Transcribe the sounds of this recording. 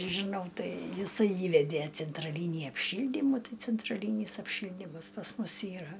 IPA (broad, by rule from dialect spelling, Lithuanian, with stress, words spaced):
ʒʲɪˈnɐʊ ˈtɐɪ jɪˈsɐɪ ˈiːʋʲɛdʲeː t͡sʲɛntrɐˈlʲiːnʲiː ɐpʲˈʃʲiːlʲdʲiːmuː ˈtɐɪ t͡sʲɛntrɐˈlʲiːnʲiːs ɐpʲˈʃʲiːlʲdʲiːmɐs pɐs ˈmʊs ˈiːrɐ